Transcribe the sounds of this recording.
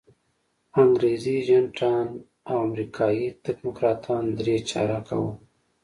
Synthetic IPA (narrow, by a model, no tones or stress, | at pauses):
aŋɡɾeziʒanʈʰɑːn | awamɾikʰɑjit̪ɪkmʊkɾɑːt̪ʰɑnd̪ɾet͡ʃɑ̰ɾakʰa̰wu